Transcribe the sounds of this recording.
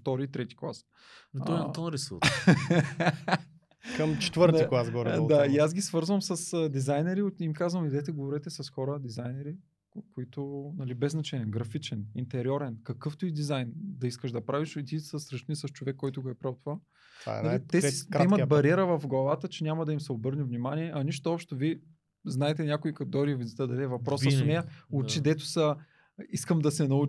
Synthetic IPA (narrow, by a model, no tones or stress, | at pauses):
ft̪ɔɾiːt̪ɾɛt̪i̥klˠa̰s | nɔnɐonɾɛsut | kɐmt͡ʃɛ̥t̪vɤɾt̪iklˠasɡɡovɾɛd̪aiaz̬ɡʲisvɤɾzvəmsɐsəd̪izajnɛɾiot̪imkazvɐmid̪ɛt̪ɛɡovoɾɛt̪ɛsɐsxɔɾəd̪izajnɛɾi | koit̪ʊnɐlibɛznɐt͡ʃɛniɛɡɾɐfit͡ʃɛnint̪ɛɾiɔɾɛnkɐkɤft̪uid̪izajnd̪ɐiskəʃd̪ɐpɾaviʃit̪isəsɾɐʃnisɐst͡ʃovɛkːɔjt̪ʊɡoɛpɾawt̪ʊva | a̰nɐlit̪ɛɛimɐt̪̚bɐɾiɛɾəvɐfɡlˠɐvat̪ət͡ʃɛnʲamɐd̪ɐimsɛobɤɾnivnimaniɛʔɐniʃt̪oɔpʃt̪ʊviɛ | znaɛt̪ɛnʲakʊikɐt̪d̪ɔɾivizit̪əd̪ɐd̪ɛvɐpɾɔsəsʊnɛjɐʊt͡ʃid̪ɛt̪ʊ̥sɐ | iskəmd̪ɐsɛnɐu